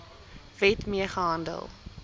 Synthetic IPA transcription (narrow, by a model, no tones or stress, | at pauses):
vɛtmiəχəɦɐndə̰lˠ